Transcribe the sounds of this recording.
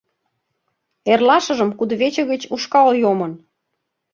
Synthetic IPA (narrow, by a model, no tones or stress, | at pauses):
erlɑʃə̆ʒə̆mkud̪βet͡ɕə̆ɣə̆t͡ɕuʃkɑlojomən